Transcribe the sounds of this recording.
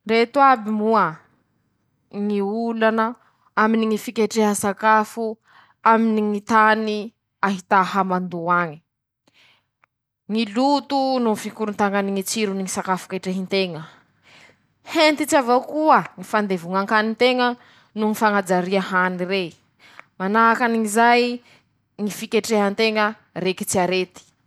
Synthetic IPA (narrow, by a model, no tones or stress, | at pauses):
ret̪uabimuə | ŋiulanə | aminiŋifikʲeʈ͡ʂeɦəsakafu | aminiŋit̪ani | aɦit̪ahamand̪uaɲi̥ | ŋilut̪ununifikuɾunt̪aŋaniŋit͡siɾuniŋisakafu̥keʈ͡ʂeɦint̪eŋə | hent̪it͡savowkuəŋifand̪evuŋaŋkanint̪eŋə | nuŋifaŋad͡zaɾiəhanire | manaɦakaniŋizaj | ŋifikeʈ͡ʂeɦənt̪eŋə | ɾeki̥t͡siaɾet̪i̥